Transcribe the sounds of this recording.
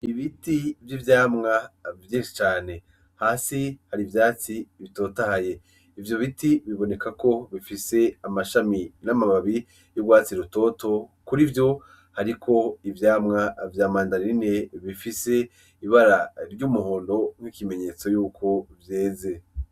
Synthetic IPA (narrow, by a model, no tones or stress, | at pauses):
iβitivjivjaːmŋavjeːnʃi̥t͡ʃaːne̞ | haːsihaɾivjaːt͡siβito̞ːtahaje̞ | ivjo̞βitiβiβo̞ne̞kako̞βifise̞amaʃaminamaβaβi | joɡwaːt͡siɾuto̞to̞kuɾivjo̞ | haɾikʰo̞ivjaːmŋavjaːmaːndanine̞βifise | iβaɾaɾɟuːmuhoːndo̞ŋ̥hikime̞ɲe̞t͡so̞juːkʰo̞vje̞ːze̞